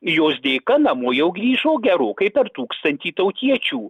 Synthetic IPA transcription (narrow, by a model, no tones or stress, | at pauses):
joːs̬d̪ʲeːkɐnɐmoːjɛʊɡɾʲiːʒoːɡʲɛɾoːkɐɪpʲɛɾt̪uːkst̪ɐnʲt̪ʲiːt̪ɐʊt̪ʲiɛt͡ʃʲuː